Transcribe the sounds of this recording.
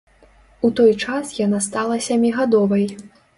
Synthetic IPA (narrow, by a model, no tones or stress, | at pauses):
ut̪ɔjt͡ʂasjanast̪alˠɐsʲamʲiɣad̪ɔvɐj